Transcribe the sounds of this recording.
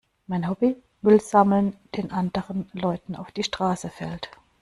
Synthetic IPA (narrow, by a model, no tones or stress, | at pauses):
maɪnhɔbi | mʏlz̥aml̩nd̥eːnʔandəʁənlɔʏtn̩a̰ʊfd̥iːʃtʁ̥aːsəfɛ̰lt